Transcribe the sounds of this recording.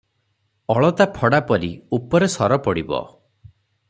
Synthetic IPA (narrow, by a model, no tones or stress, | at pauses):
ɔɭɔt̪apʰɔɽapɔɾiupɔɾesɔɾɔpɔɽibɔ̰